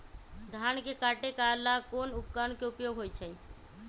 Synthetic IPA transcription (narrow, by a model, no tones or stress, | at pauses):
d̪ʱankekaʈekalakonupkankeupjoɡɦojt͡ʃʰə